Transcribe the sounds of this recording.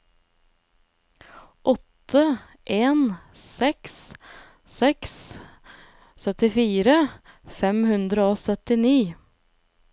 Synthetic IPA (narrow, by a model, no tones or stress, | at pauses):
ʔɔt̪ə | ʔeːnsɛks | sɛks | sœt̪ɪfiːɾə | fɛmhʉnd̪ɾəoːsœt̪ɪniː